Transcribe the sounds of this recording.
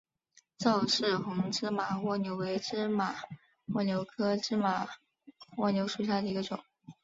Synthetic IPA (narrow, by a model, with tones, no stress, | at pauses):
t͡sɑ˥˧ʊʂɻ̩˥˩xʊ˧˥ŋʈ͡ʂɻ̩˥ma˨˩xwɔ˥˩njo˧˥ʊwe˧˥ɪʈ͡ʂɻ̩˥˩ma˨˩˦ | xwɔ˥˩njo˧˥ʊkʰɤ˥ʈ͡ʂɻ̩˥ma˨˩ | wɔ˥˩njo˧˥ʊʂu˨˩ɕ̬ja˥˩d̪ə˩i˧˥ɡə˧ʈ͡ʂʊ̰˨˩˦ŋ